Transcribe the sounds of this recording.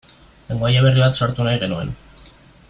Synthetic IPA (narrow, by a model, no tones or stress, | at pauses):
leŋɡoajaβ̞e̞riβat̪so̞ɾt̪unajɣe̞nue̞n